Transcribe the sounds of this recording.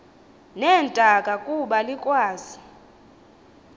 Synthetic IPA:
nɛːntʼakʼakʼuɓalikʼwaːzi

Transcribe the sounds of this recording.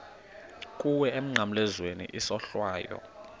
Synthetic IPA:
kʼuwɛem̩ŋ͡ǀʱam̩lɛzwenḭʔisɔɬwaːjɔ̰

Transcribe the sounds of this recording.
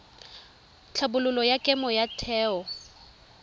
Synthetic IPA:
t͡ɬʰabʊlʊlɔjakʼɛmɔjatʰɛːɔ

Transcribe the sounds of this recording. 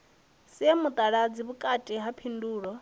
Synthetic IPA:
siamut̪ʼaɺad͡ziβukʼatʼiɦapʰinduːɺɔ

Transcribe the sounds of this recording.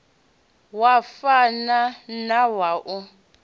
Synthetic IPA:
wafananawaʔʊ

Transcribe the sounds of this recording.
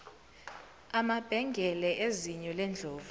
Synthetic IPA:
amab̥ʱɛŋɡʱɛlɛʔeziɲɔlɛnd͡ɮʱoːvu

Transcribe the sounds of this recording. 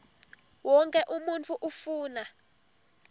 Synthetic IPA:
wɔŋkʼɛʔumunt͡fʰuʔufuːna

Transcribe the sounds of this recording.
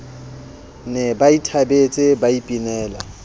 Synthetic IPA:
nɛbaitʰabet͡sʼɪbaipʼinɛːla

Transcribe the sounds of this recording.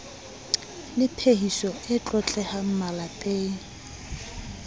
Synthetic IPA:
lɪpʰehisɔɪt͡ɬʼɔt͡ɬʼɛham̩malapʼeːŋ̩

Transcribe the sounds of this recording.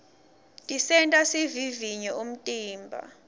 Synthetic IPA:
tʼisɛntʼasiviviɲɛum̩tʼiːmbʱa̰

